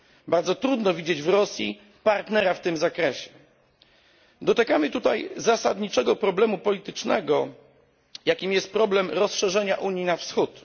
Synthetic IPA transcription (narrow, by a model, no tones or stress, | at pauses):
baɾd̪zɔt̪ɾud̪nɔvʲid͡ʑed͡ʑvɾɔsʲjḭ | paɾt̪nɛɾaft̪ɘmzakɾɛɕɛ̥ | d̪ɔt̪akamɘt̪ut̪ajzasad̪ɲit͡ʂɛɡɔpɾɔblɛmupɔlʲit̪ɘt͡ʂnɛ̰ɡɔ | jakʲimjɛst̪̚pɾɔblɛmɾɔsʂɛʐɛɲaʔuɲjinafsxut̪